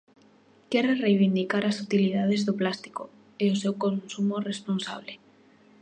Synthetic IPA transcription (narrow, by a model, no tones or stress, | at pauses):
kɛɾerejβind̪ikaɾasut̪iliðað̞ezðoplast̪i̥ko | eosewkonsumoresponsa̰β̞le